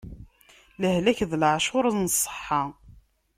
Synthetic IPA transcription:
ləhlæçðlʕʃʊɾˤnəsˤːə̥ħːɑ

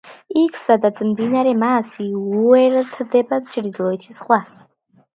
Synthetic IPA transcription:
ikʰsad̪at̪sʰmd̪inaɾɛmaːsiuɛɾt̪ʰd̪ɛbapt͡ʃʼɾid̪lˠɔit͡ʃ̪ʰisχwas

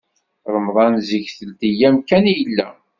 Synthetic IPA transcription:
ɾˤəmðˤɑnziçθəlt̪ijæmkænjəlːæ̰

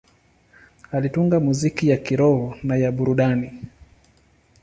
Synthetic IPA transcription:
alituŋɡamuzikijakiɾɔhɔnajaɓuɾuɗani

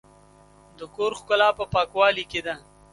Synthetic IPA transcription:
d̪əkoːɾxkʊlaːpəpɑːkwaːliked̪a

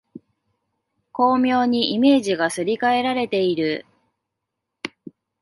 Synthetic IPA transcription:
ko̞ːmʲo̞ːɲ̟iʔime̞ːʑiɡasɨɾʲikae̞ɾaɾe̞t̪e̞iɾɯ̟

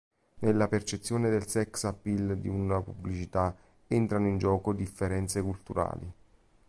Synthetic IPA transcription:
nelːapert͡ʃet̪sːjoːned̪elsɛksapːild̪iunapubːlit͡ʃit̪a | ent̪ɾanoind͡ʒɔːkod̪ifːeɾɛnt̪sekult̪uɾa̰ːli

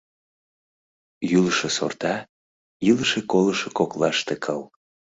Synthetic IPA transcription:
jyləʃeso̰rt̪ɑ | iləʃekoləʃekoklɑʃt̪ekʰəl

